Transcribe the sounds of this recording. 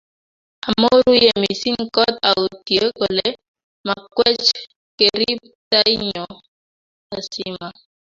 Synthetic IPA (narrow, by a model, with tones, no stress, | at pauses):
a˨mo˦ɾu˦je˨mi˨si˦ŋkɔ˦ta˨u˨tje˨˦ko˨le˨ | ma˨kwɛ˦t͡ʃ | ke˨ɾi˦p | ta˦i˦ɲɔ˨ | a˨si˦ma˨